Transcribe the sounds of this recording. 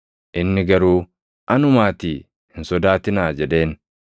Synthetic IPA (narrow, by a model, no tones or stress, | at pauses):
ʔɪnːɪɡɐɾuː | ʔɐnʊmaːt̪iː | hɪnsɔd̪aːt̪ɪnaːd͡ʒɛᶑe̞ːn